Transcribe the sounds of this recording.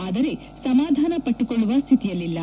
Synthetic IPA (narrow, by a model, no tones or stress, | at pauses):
aːd̪ɐɾe̞ | sɐmaːd̪ʱaːnɐpɐʈːukoɭːuʋɐst̪ʰit̪ijɐlːilːɐ